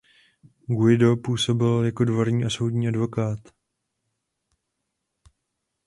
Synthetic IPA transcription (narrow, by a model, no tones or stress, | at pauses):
ɡuɪdo̞puːso̞bɪljako̞dvo̞ɾɲiːʔaso̞wdɲiːʔadvo̞kaːt̪